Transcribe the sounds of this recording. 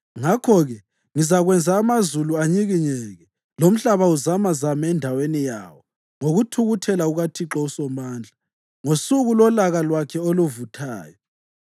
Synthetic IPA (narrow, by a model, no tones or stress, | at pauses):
ŋakʰɔɣɛ | ŋizaɣwɛnd͡zʱaːmazuluaɲiɣiɲɛɣɛ | lom̩ɬaβauzamazamaɛndʱawenija̰wɔ | ŋoɣutʰuɣutʰɛlauɣatʰiǁɔusɔmaːnd͡ɮʱa | ŋosuɣulɔlaɣalwakʰɛoluvutʰa̰ːjɔ